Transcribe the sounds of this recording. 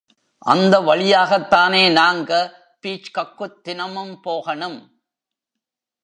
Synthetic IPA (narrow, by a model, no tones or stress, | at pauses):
ʔɐ̰nd̪ɐʋɐɭɪjaːɣɐt̪ːaːneːnaːŋɡɐ | piːt͡ʃkɐkːɯt̪ːɪnɐmɯmpoːɣɐɳɯm